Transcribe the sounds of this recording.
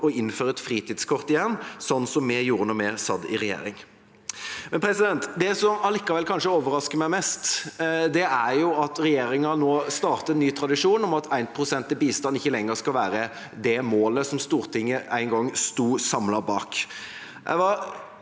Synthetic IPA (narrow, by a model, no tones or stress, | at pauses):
ɔɪnːføːɾəɛt̪fɾiːt̪ʰɪːd̪skʰɔʁt̪ɪjɛnːsɔnːsɔmːɛjuːɾənɔmɛsɑd̪ɪ̰ɾɛjḛːɾɪŋ | mɛnpʰɾɛsɪd̪ɛnt̪d̪ɛsɔmɑlɪkːɑʋɛlkʰɑnʂəoːʋəɾɑskəɾmæɪmɛst̪d̪ɛæɾjʊɑt̪ɾɛjeːɾɪŋɑnoːst̪ɑːʁt̪əɛnːyːt̪ʰɾɑd̪ɪʂuːnɔmɑt̪ʰæɪnpʰʁʊsɛnt̪ɛbiːst̪ɑnɪçːəlɛŋːəɾskɑlʋæːɾə | d̪ɛmoːləsɔmst̪uːɾt̪ʰɪŋːəʔæɪnŋɡɔŋst̪uːsɑmlɑbɑ̰ːk | ʔæ̰ɪʋɑ